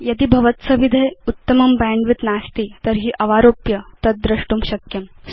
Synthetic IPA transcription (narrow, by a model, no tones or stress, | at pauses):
jɐd̪iːbʱɐʋət̪sɐʋid̪ʱejut̪ːəmɐmbɛɳɖʋit̪nast̪iːt̪əɾɦiːʔɐʋaɾoːpjɐt̪ɐt̪̚d̪ɾɐʂʈuːmɕɐkjɐm